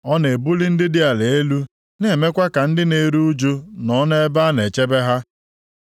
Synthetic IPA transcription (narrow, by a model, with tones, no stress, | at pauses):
ɔ˦ne˨bʊ˦li˦n̩˦dɪ˦dɪ˦a˨le˨e˦lu˦ | n˦˨e˨me˦kʷa˦ka˨n̩˦dɪ˦ne˨˦ɾu˦u˦d͡ʒo˦nɔ˨˦ne˦e˦ba˦ne˨t͡ʃe˦be˦ɦa˦